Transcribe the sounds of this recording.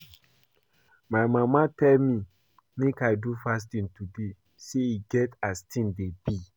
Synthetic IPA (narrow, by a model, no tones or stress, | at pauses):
majmamatʰɛlmi | mekajdufas̬tĩntude | seiɡɛtastʰĩndebi